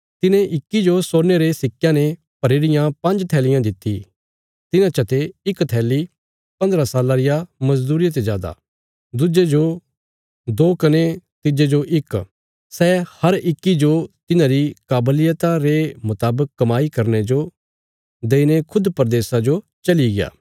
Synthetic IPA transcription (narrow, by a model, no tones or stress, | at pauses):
t̪ɪnẽʔɪkːid͡ʒosoːɾneɾesɪkːjãne | pɐɾeːɾɪjãpɐ̃nd͡ʒt̪ʰɛːlɪjãd̪ɪt̪ːḭ | t̪ɪnãt͡ʃɐt̪eɪkt̪ʰɛːli | pɐ̃nd̪ɾasaːlaɾɪjamɐzd̪uːɾɪjət̪̬ed͡ʒaːd̪a̰ː | d̪ʊd͡ʒed͡ʒo | d̪oːkɐnet̪ɪd͡ʒed͡ʒoʔɪk | sɛhɐɾɪkːid͡ʒot̪ɪnãɾikaːblɪjət̪aɾemʊt̪aːbəkːɐmaːikɐɾned͡ʒo | d̪eːinekʰʊd̪pɐɾd̪eːsad͡ʒo | t͡ʃɐliɡɪja̰ː